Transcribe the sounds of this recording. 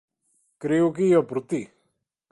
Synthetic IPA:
kɾiukijopɾut̪i

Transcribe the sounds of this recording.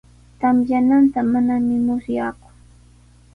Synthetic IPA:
t̪amjanant̪amanamɪmʊsjakʊ̥ŋ

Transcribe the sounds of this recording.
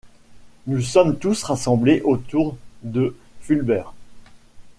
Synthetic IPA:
nusɔmt̪usʁasɑ̃bleʔot̪uʁd̪ə | fylbɛːʁ

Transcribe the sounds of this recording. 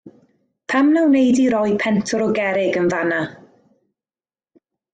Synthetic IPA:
pʰamnawnejdiɾɔjpʰɛntʰɔɾɔɡɛɾɪɡənvana

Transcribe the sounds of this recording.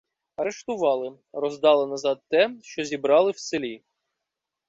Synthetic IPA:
ɐɾeʃt̪ʊʋɑlˠɪ | rɔzd̪ɑlˠɪnɐzɑd̪̚t̪ɛʃt͡ʃɔzʲibɾɑlˠɪwselʲi

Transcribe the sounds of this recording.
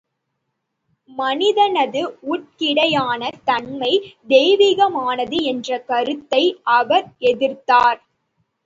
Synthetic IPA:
mɐnɪðɐnɐðɯuːʈ̚kɪɽɐjaːnɐt̪ɐɳmɐɪd̪ɛːʋiːɣɐmaːnɐðɯɛndrɐkɐɾɯt̪ːɐɪʔɐʋɐɾɛðɪɾt̪aːɾ

